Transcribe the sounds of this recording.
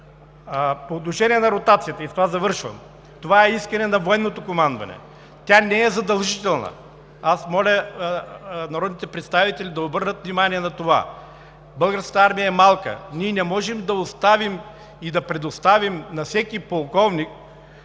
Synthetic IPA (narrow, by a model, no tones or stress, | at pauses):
poːt̪noʃɛnʲiɛnɐɾot̪at̪sijət̪əist̪ovazɐvɤɾʃvɐ̰m | t̪ovaɛiskɐnɛnɐvoɛnːot̪okomand̪vɐ̰nɛ̰ | t̪ʲanɛɛzɐd̪ɐlˠʒit̪ɛlˠnɐ̰ | asmɔlʲə | nɐɾɔd̪nit̪ɛpɾɛt̪st̪avit̪ɛlʲid̪ɐobɤɾnət̪vnʲimaniɛnɐt̪ova̰ | bɤlˠɡəɾskə̥t̪ɐaɾmijəɛmalˠkə̰nʲiɛnɛmɔʒɛmd̪ɐost̪avim | id̪ɐpɾɛd̪ost̪avimnɐfsɛkipolˠkɔvnik̚